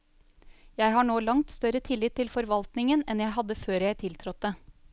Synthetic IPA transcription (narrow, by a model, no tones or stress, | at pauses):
jæɪɦɑːɳoːlɑŋt̪st̪œɾət̪ʰɪlːɪt̪ʰːɪlfɔɾʋɑlt̪nɪŋənɛnjæɪɦɑd̪ːəføːɾjæɪt̪ʰɪlt̪ʰɾɔt̪̚d̪e